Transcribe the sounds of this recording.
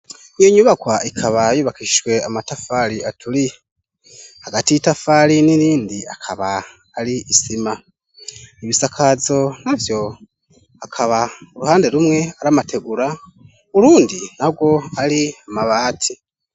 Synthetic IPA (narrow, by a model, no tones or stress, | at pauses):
jiɲuβakwaikʰaβajuβakiʃwe̞amatafaliatʰuli | haɡatitafaliniɾiːndia̰kʰaβaː | liʔisima | iβisakʰazo̞navjo̞ | akʰaβauɾuhaːnde̞ɾumŋe̞aɾamatʰe̞ɡuɾa | uɾuːndinabɡwo̞aɾiamaβaːtʰi